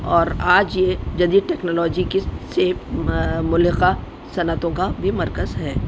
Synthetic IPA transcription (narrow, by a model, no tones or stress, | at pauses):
ɔːɾaːd͡ʒjed͡ʒɐd̪iːd̪̚ʈɛːknoːlɔːd͡ʒikise | mʊlɦɪqa | sɐnət̪õkabʱimɐɾkəzɦɛː